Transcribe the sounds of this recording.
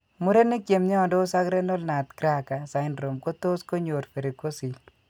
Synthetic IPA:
mu˦ɾe˦ni˦kje˨mɲɛ˦ɔ˨ndo˦sa˦kɾe˦no˦lna˨t̪kɾa˦ka˨sa˨ɪnɾo˨mko˦t̪o˦sko˦ɲo˨ɾfe˨ɾi˨ko˦si˨l

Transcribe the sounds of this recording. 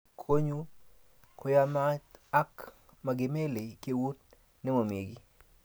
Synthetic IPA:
kʰo˦ɲu˦ | kʰo˨ja˦ma˦a˦k | ma˨ɡɪ˨me˦le˨ke˦wu˦t | nɛ˦mo˨mje˨ɡi˦

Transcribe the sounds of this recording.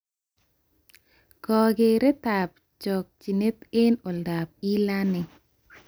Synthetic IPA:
kɔ˨ɡe˨ɾe˦t̪a˨p̚ | t͡ʃɔ˨k̚t͡ʃi˨ne˦t̪e˦no˨lda˨p̚i˦la˦nɛ˨

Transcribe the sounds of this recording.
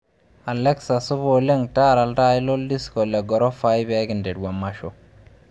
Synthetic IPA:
a˨lɛ˦ksa˨su˦bo˨le˦ŋtaː˦ɾa˨lda˦i˦lo˦ldi˦sko˨le˨ɡɔ˨ɾo˦fa˦jbe˦ɡɪ˨nde˨d̚wa˨mːa˨ʃo˨

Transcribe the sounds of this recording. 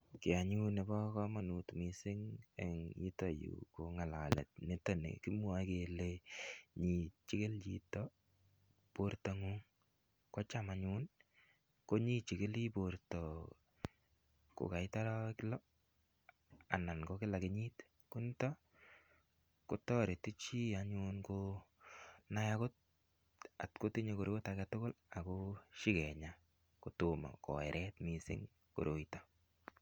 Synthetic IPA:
kɪ˨a˨ɲu˦ne˨bɔ˦kɔ˦ma˨nu˨tmi˨sɪ˦ŋḛŋḭ˦to˨jṵ˨ko˨ŋa˨la˨lɛ̰˨t̚ne˦to˦nḛ˨ki˦mwa˦ke˨le˦ɲi˨t͡ʃi˦kɪ˦lt͡ʃitɔ | po˦ɾtɔ˧ŋu˦ŋ | kɔ˦t͡ʃama˨ɲu˦n | ko˦ɲi˦t͡ʃɪ˨kɪ˦li˦poɾtɔ˨ | ko̰˨ka˨i˦ta˦ɾa˦klɔ˦ | a̰˨na˨nkɔ˦kɪ˦la˨ke˨ɲi˦t | ku˦nta˦ | ko˦tɔ˦ɾe˨ti˦t͡ʃi˦aɲunko | na˦jako˦t̚ | a˨tko˦ti˦ɲe˦ko˨ɾo˦takatʊ˦ko˦la˨ko˦ʃi˦kɛ˨ɲa | ko˨toma̰˨kɔ̰˨ɛ̰˨ɾʔɛ˦tmisɪ̰˦ŋ | ko̰˨ɾo˨ita˦

